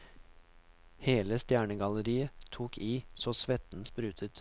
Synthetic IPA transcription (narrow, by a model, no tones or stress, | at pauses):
heːləst̪jæːɳəɡɑləɾiːət̪ʰuːkʰiːsoːsʋɛt̪n̩spɾʉːt̪ʰət̪